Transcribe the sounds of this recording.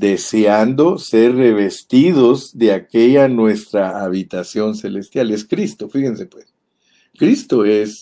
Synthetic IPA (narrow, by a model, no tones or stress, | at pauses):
d̪e̞seand̪o̞se̞ɾre̞βe̞st̪iðozd̪e̞akeʝanwe̞st̪ɾaaβit̪asjo̞nse̞lest̪jale̞skɾist̪o̞fiɣense̞pwes | kɾist̪oes